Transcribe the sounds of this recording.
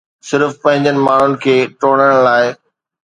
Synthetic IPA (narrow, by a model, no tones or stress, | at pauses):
sɪɾfpɐ̃ɦɪ̃ɲd͡ʑənɪ̆maːɳ̤ʊnɪ̆kʰeːʈoːɽ̃əɽ̃laːɪ